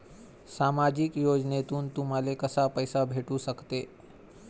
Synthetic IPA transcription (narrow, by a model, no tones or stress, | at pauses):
saːmaːd͡ʒikjoːd͡ʒneːt̪unt̪umalekəsapəjsabʱeːʈusəkt̪eː